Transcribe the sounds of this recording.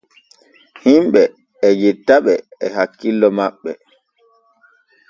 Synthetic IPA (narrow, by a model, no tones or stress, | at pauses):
himɓɛː | d͡ʒitːaɓɛɛhakːilːɔmaɓːɛ